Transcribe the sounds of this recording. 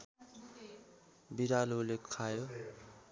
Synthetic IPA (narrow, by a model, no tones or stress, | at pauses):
biɾalulekʰajo